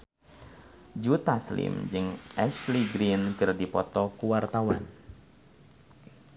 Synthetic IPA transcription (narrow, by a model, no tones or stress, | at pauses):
d͡ʒut̪aslɪ̰md͡ʒɨŋʔɛsliɡɾinkɨrdipɔt̪ɔkuwart̪awan